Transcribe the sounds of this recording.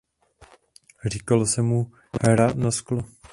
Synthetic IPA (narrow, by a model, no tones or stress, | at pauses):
r̝ikalosɛmu | hɾanasklo